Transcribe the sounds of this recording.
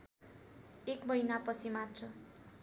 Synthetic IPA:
ekbʌjnapʌt͡sʰimatt͡sʰʌ

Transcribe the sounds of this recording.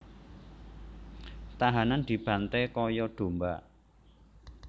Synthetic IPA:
t̪aɦanand̪̥i̤b̥ä̤nt̪ɛkɔjɔɖ̪̥o̤mba

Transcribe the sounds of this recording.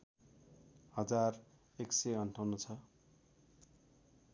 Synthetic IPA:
hʌd͡zar | eksʌjʌnʈʰawnot͡sʰʌ

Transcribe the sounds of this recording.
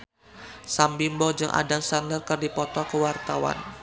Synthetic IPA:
sambimbɔd͡ʒɨŋʔa̰daŋsandərkərdipɔt̪ɔkəwart̪awa̰n

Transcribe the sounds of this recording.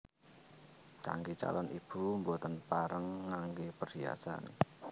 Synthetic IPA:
ka̰ŋɡet͡ʃa̰lɔnʔib̥umbot̪ənpaɾəŋːaŋɡepərdia̰san

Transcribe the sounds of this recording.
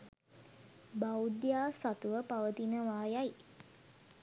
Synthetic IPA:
bawd̪jaːsat̪uʋəpaʋət̪inəʋaːjaj

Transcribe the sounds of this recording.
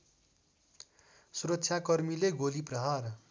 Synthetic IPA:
suɾʌtːsʰjakʌrmileɡoliprʌɦar

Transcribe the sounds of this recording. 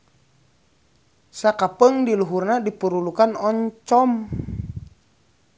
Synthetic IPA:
sakapəŋdiluɦurnadipuɾulukanɔɲt͡ʃɔm

